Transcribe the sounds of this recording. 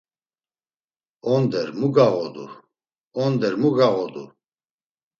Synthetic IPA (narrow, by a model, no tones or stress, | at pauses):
ɔnd̪ɛɾmuɡaɣɔd̪ṵ | ɔnd̪ɛɾmuɡaɣɔd̪u